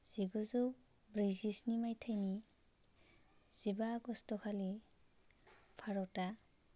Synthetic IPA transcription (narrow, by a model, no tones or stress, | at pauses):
z̥iɡuzu | bɾizisnimajtʰajni | z̥ibaɡɔstɔkʰali | pʰaɾɔta